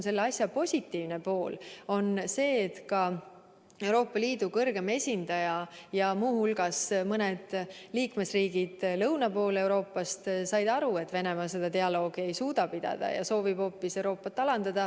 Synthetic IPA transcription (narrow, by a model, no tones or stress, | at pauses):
nse̞lːeɑsjɑpo̞sʲit̪ːˑiːvnepo̞ːlo̞nse̞ːt̪kɑ | e̞wɾo̞ːpːˑɑliːd̪ukɤrɡ̥e̞me̞sʲind̪ɑjɑjɑmuːhulɡ̥ɑsmɤned̪̥liːkme̞sriːɡ̥id̪̥lɤwnɑpo̞ːle̞wɾo̞ːpːˑɑst̪sɑjd̪̥ɑɾue̞t̪ːˑve̞ne̞mɑse̞d̪̥ɑt̪e̞ɑlo̞ːɡ̥ie̞jsuːd̪̥ɑpid̪̥ɑ̰d̪̥ɑ̰jɑ̰so̞ːvib̥ho̞ːpːise̞wɾo̞ːpːɑt̪ːˑɑlɑnd̪̥ɑd̪ɑ